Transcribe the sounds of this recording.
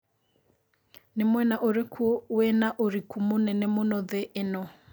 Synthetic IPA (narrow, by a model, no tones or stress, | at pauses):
nemwɛnaʔoɾekʰuwɛnaʔoɾikumonɛnɛmonɔðeʔːnɔ